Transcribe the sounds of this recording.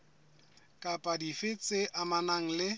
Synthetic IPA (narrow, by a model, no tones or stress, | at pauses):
kʼapʼadifɪt͡sʼɪʔamanaŋ̩lɪ